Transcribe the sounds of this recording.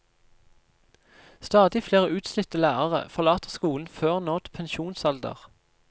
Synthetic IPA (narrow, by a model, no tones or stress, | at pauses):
st̪ɑːd̪ɪfleːʁəʉːt̪slɪt̪əlæːʁəʁə̰fɔʁlɑːt̪əʁskuːln̩føːʁnoːd̪pʰɛnʃuːnsɑld̪ə̰ʁ